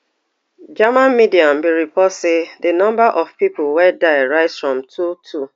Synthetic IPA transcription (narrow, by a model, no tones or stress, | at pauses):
d͡ʒamãnmidiãm̩biɹipɔtsedɨnɔ̃mbaʔɔv̥pipʊwɛdaɪɹaɪtsfɹɔ̃mtʰutʰu